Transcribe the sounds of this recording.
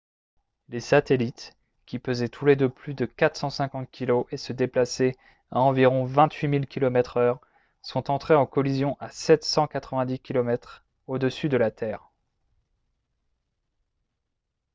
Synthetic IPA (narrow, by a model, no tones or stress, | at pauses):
lesat̪elit̪ | kʲipøzɛt̪ʰuled̪əplyd̪əkat̪χsɑ̃sɛ̃kɑ̃t̪̚kʲiloʔesəd̪eplasɛ | aɑ̃viʁɔ̃vɛ̃t̪ɥimilkʲilɔmɛt̪χœʁ | sɔ̃t̪ɑ̃t̪χeɑ̃kɔlizjɔ̃ʔasɛt̪sɑ̃kat̪χəvɛ̃d̪ikʲilɔmɛt̪χ | od̪əsyd̪əlat̪ʰɛːʁ